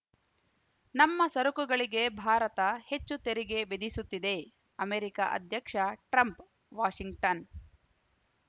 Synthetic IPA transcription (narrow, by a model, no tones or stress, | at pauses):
nɐmːɐsɐɾukuɡɐɭiɡe̞bʱaːɾɐt̪ɐhe̞t͡ʃːut̪eɾiɡe̞bid̪isut̪ːid̪e̞ | ɐmeːɾika̰ʔɐ̰d̪ʱjɐkʂɐʈɾɐmp | ʋaːʂiŋɡʈɐn